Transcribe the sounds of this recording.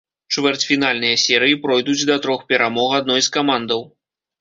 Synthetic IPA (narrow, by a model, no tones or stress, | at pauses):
t͡ʂvʲɛrt͡sʲfʲin̪alʲnɨjɐsʲɛɾɨjipɾɔjd̪ut͡sʲd̪ɐt̪ɾɔxpʲɛɾamɔɣad̪̚nɔjskamand̪ɐw